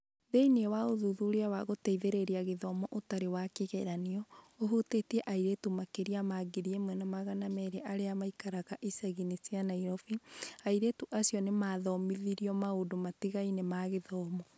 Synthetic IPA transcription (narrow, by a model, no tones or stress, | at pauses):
ðeinewaoðuðuɾeawaɣotɛiðeɾeɾiaɣeðɔːmɔʔotaɾewakeɣɛɾaniɔ | oɦutetɛʔaiɾetumakeɾiamaɡeɾiemwɛnamaɣanamɛɾeʔaɾeamaikaɾaɣaʔisɛɣinisianaiɾɔfiaiɾetuʔasiɔnemaðɔmiðiɾiɔmaodomatiɣainemaɣeðɔːmɔ